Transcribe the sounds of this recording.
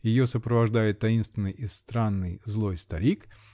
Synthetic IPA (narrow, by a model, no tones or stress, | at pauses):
jɪjosəpɾəvɐʐd̪ajɪt̪ːɐinst̪vʲɪnːɨjɪst̪ɾanːɨjzlˠo̞jst̪ɐɾʲik